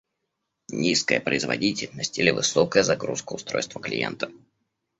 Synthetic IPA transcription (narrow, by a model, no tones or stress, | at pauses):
nʲiskəjəpɾəɪzvɐ̰dʲitʲɪlʲnəsʲtʲilʲɪvɨsokəjəzɐɡɾuskəʊst̪ɾo̞̰jst̪vəklʲɪ̰jḛnt̪ə̥